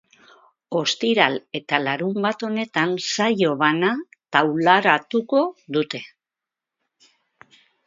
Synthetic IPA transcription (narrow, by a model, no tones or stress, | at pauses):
o̞st̪iɾale̞t̪alaɾumbat̪o̞ne̞t̪ansajo̞βanat̪awlaɾat̪uko̞ðut̪e̞